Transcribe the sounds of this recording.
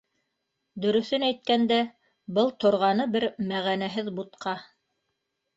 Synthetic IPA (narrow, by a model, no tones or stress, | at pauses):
d̪ɵ̆ɾɵ̆θɵnæjt̪̚kænd̪æ | bɤlˠt̪ŏɾʁɑnɤbɘɾmæʁænæɦɘðbut̪̚qʰɑ